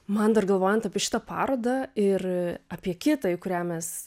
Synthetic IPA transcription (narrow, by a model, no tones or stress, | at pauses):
mɐnd̪ɐrɡɐlˠʋoːjɛnt̪ɐpʲiɛʃʲɪt̪ɐpɑːɾoːd̪ɐɪrɐpʲiɛkʲɪt̪ɐkʊɾʲæːmʲɛs